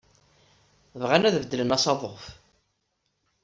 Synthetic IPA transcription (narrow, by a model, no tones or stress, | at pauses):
vʁanæðvd̪ːələnɑsɑðˤoʁf